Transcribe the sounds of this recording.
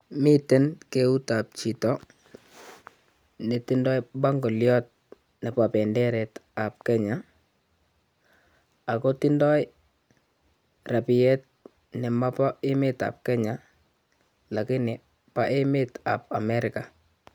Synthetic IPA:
mi˦te˦nke˦u˦ta˨p̚t͡ʃi˨tɔ˦ | nɛ˨ti˦ndɔ˦jba˦ŋɡo˨ljɔ˦t̚ | nɛ˨pa˨pɛ˨ndɛ˦ɾɛ˨ta˨p̚kɛ˦ɲa | a˨ko˦ti˦ndɔ˦j | ra˨pi˨jɛ˦t̚ | nɛ˨ma˦pa˦ɪ˦mɪ˦ta̰˨p̚kɛ˦ɲa˨ | la˨kɪ˦nɪ˨ | pa˦ʔe˦mɪ˦ta̰˨p̚a˨mɛ˦ɾɪka˨

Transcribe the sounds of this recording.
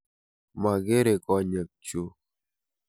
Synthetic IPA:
ma˨ɡe˦ɾe˨kɔ˨ɲə˨k̚t͡ʃo˨˦

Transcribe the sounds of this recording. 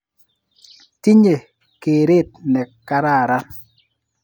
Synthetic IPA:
ti˦ɲe˨ | ke˨ɾe˦˨t̚nɛ˨kːa˨ɾa˦˨ɾa˦

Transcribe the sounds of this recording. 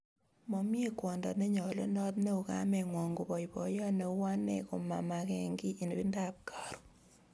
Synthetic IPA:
mɔ˨mje˦kwɔ˨ndɔ̰˨ne˦ɲɔ˨lo̰˦nɔ˦tne˦u˨ka̰˦mɛ˨ŋwɔ˨ŋɡu˨bɔ˨i˨bɔ˨jɔ˦ne˨˦wa˦nɛ̰˨kʊ˨ma̰˨ma˨kɛ˨ŋɡi˦ʔi˨ne˨bi˦nda˦˨p̚ka˨ɾu̥˨

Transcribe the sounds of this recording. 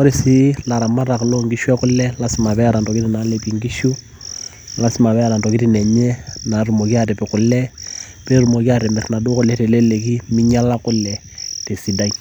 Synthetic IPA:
ɔ˦ɾi˨si˦la˨ɾa˨ma˦ɾa˨klɔ˦ŋɡi˦ʃwɛ˦kʊ˦lɛ˦la˦sɪ˦ma˨βɛ˦a˦ɾa˨ndɔ˨ki˦ti˦na˨lɛpi˨ŋɡi˦ʃu˦ | la˦sɪ˦ma˨βɛ˦a˦ɾa˨ndɔ˨ki˦tinɛ˨ɲɛ˦na˨ru˨mɔ˨ki˦aɾɛ˨pɛ˨kʊ˨lɛ˦ | pe˦ɾu˨mɔ˨ki˦aɾɛ˨mɛ˨rna˨do˦kʊ˦lɛ˦te˨lɛ˦le˨ki˦mɪ˦ɲa˦la˦kʊ˦lɛ˨ | te˨si˨da˦i

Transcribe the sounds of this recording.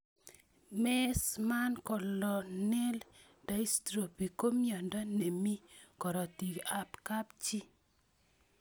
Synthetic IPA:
mɛ˦sma˦nkɔ˨lɔ˨nɛ˦l | da˦i˦stɾo˨pi˨ko˦mjɔ˨ndɔ˦ne˨mi˦kɔ˨ɾɔ˨ti˨ɡa˦pka˦pt͡ʃi˦

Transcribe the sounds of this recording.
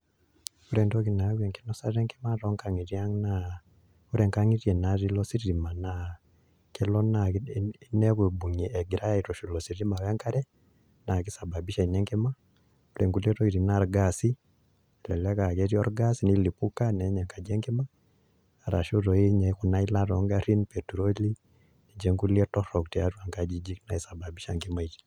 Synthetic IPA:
uɾendo˦ɣi˨naβwe˨ŋkinosa˦ɾe˦ŋkimaɾo˦ŋka˨ŋiɾjaŋna | uɾeŋkaŋiɾjɛ˨naɾilosi˦ɾiɾimana | kʰe˦lona | neβwibu˨ɲi˨ʔeɡiɾa˦jaiɾoʃu˨losiɾima˨we˦ŋkaɾɛ | naki˦sa˨babiʃaineŋkima | uɾɛ˨ŋɡu˦lɛ˦ɾɔ˦i˨ɾi˨na˨ɾɡa˨si˦˨ | lɛ˨lɛ˦ka˨kɛ˦ɾi˦ɔ˦ɾɡa˦si˨ni˦li˨pu˦ka˦nɛ˨˦ɲɛ˨ŋka˨d͡ʒɛ˦ŋɡi˦maː˦˨ | ɾa̰˨ʃo˦ɾɔ˨i˦ɲɛ˨ku˨na˦i˦la˦ɾɔ˨ŋɡa˦ɾi˦npɛtu˨ɾɔ˦li˦ | ni˨d͡ʒɛ˦ŋɡu˦liɛ˦tɔ˦ɾɔ˨ktia˨ɾu˦a˨ŋɡa˨d͡ʒi˦d͡ʒi˦kna˨i˨sa˨ba˨bi˦ʃa˨ŋɡima˦iɾi̥

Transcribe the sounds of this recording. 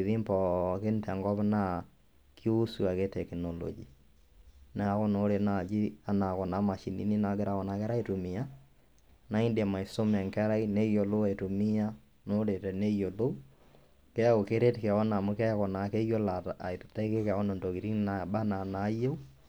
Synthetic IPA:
e˨ði˦mpɔ˨ke˦ntɛ˨ŋɡɔ˦βna˦ | kʰi˦o˦su˨a˨ke˦tɛ˨knɔlɔ̰d͡ʒi˨ | na˨˦ɣɔ˦no˦ɾe˨na˨d͡ʒi˦a˦na˨kɔ˨na˨˦ma˨ʃi˨nḭ˦ni˦na˨ɡe˦ɾa˨ɣɔ˨na˨kɛ˦ɾa˦i˦to˨mi˨a˦ | na˦i˦ndma˨i˨so˦mɛ˨ŋkɛ˦ɾa˦ine˦jo˨lo˦a˨e˨to˨mi˦a˦ | no˦ɾe˨tɛ˨ne˦jo˨lo˦ | kɛ˦o˨ke˦ɾe˦te˨kɛ˨ɣɔ˦na˨mu˦kɛ˦kɔ˨na˨ke˦jo˦la˨ta˦i˦ke˦ka˨ɔ˦no˨ndo˨ki˨ɾi˦naba˦na˨na˨˦je˦u˦

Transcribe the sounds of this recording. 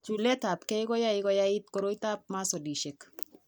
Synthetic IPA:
t͡ʃu˨lɛ˦ta˨pkɛ˦jkɔ˦ja˦ɪɡɔ˦ja˦it̚kɔ˨ɾo˦jta˦p̚ma˦sɔ˨di˨ʃek

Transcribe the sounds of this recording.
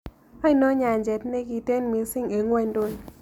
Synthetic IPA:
a˦i˦nɔ˦ɲa˨nd͡ʒe˨tne˦ki˧te˦nmi˧si˦ŋe˨˦ŋwɛ˧n˦do˦˨n

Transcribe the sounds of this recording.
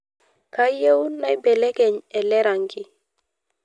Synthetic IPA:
ka˦je˦wu˦nːa˦i˦bɛ˨le˦ɡe˨ɲɛ˨lɛ˦ɾa˨ŋɡi˦

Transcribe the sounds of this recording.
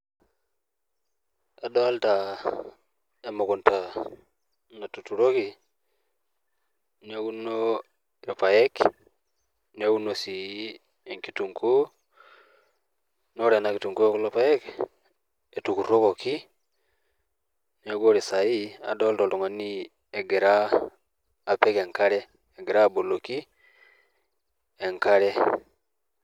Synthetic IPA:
a˨dɔ˦lta | e˨mo˨kʊ˨nta | na˨tu˨tu˨ɾo˦ki | newu˦no | e˨pa˨jɛk | ne˦wu˦nosi˨ | e˨ŋkituŋko˦ | no˦ɾe˨na˨ki˨tu˨ŋko˦ku˦lo˦pa˦jɛ˦k | e˨tu˨ku˨ɾo˦ko˨ki˦ | ne˦ɡo˦ɾi˨sa˨i˦a̰˨dɔ˦ltɔ˨lto˨ŋa˨ni˦ | e˨ɡe˨ɾaː˦˨ | pɛ˦ke˨ŋka˦ɾɛː˦˨ | ɡe˨ɾa˦˨bo˨lo˨ki˦ | e˨ŋka˦ɾɛ˦

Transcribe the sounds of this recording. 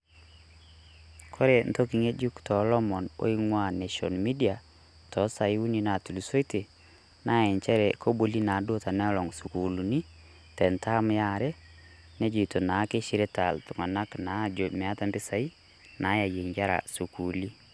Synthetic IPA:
kʰo˦ɾe˨n̩to˦ki˨˦ŋe˦d͡ʒu˦ktɔ˨lɔ˦mɔ˨no̰˦i˦ŋwa˦ne˨ʃɔ̰˨nmi˦di˦a˨ | tɔ˨˦sa˨ju˦ni˦na˨tu˨lu˨so˦i˦te˨ | na˦ɛ˨ɲt͡ʃɛ˦ɾɛ˨kʰo˦bo˨li˦na˨˦do˦ta˨nɛ˦ɔ˦lɔ˨ŋsu˨ku˨lu˨ni˦ | tɛ˨ntʰa˦m˦ja˦ɾɛ˦ | ne˦d͡ʒi˨to˨na˨˦ke˦ʃi˦ɾe˦ta̰˨ltʊ˨ŋa˨na˦kna˨˦d͡ʒo˨mɛ˨a˦ta˨mbɪ˦sa˦i˦ | na˨˦ja˨je˨ŋɡa˦ɾa̰˨su˨ku˨li˦

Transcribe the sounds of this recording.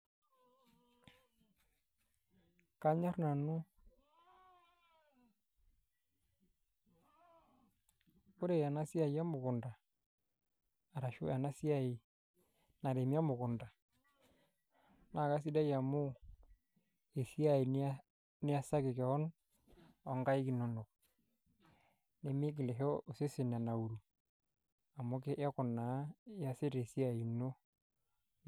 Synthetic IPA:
ka˦ɲa˦ɾna˨nu˦ | ʊ˦ɾe˦˨ja˨na˦si˦a˨ja˦mʊ˨kʊ˨nda˨ | a˨ɾa˨ʃṵ˦a˨na˦si˦a˦i˨ | na˨de˨mi˦a˦mʊ˨kʊ˨nda˨ | na˨ka˦s̬i˦da˦ja˨mʊ˦ | e˨si˦a˨i˨n˦ | nɪ˦a˦sa˦kɪ˨kɛ˨ɔ˦n | ɔ˨ŋɡa˦i˦ki˨no˦no˨k̚ | ne˨mɪ˦k̬ɪ˨lɛ˨ɦɔ˦o˨se˦sɪ˨n˨a˨na˨u˨ɾu˨ | a˨mo˦ke˦ʔɛ˦kʊ˨na˨˦ja˦sɪ˦ɾe˨si˦a˦˨i˨no˦

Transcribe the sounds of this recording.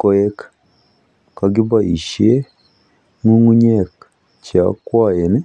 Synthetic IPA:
ko˦je˦kḁ | ka˨ɡi˦ba˦˨i˨ʃie˦ | ŋu˦ŋu˦ɲe˦˨k | t͡ʃa˨kwaː˦˨je˨ne˦

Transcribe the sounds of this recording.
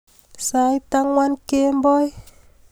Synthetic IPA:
sa˧jt̪a˦ŋwa˦nke˦mbɔ˦j

